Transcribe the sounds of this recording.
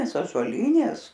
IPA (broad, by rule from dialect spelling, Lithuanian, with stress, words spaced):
ɐʒuɔˈlʲiːnʲeːs